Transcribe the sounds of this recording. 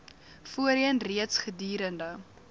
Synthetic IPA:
fuəɾiənriətsχədiːɾəndə

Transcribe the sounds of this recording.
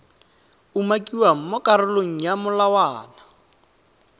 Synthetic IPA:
umakʼiwam̩mɔkʼaɾʊloŋ̩jamʊlawaːna

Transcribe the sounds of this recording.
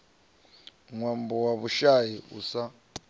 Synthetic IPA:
ŋwambɔwaβuʃajiṵsa

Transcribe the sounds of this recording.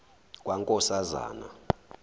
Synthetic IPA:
k̬ʼwaŋkʼɔsaza̰ːna̰

